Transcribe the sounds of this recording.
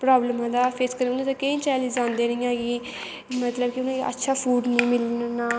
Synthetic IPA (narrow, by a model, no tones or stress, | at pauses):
pɾaːbləmãːd̪aːpʰeskəɾũnd̪at̪akeĩːt͡ʃɛːlid͡ʒãːnd̪eːɾəĩːãːɡiː | mət̪ləbkiʊnãːə̰tːʃʰaːpʰuːɖnĩːmɪlnnaː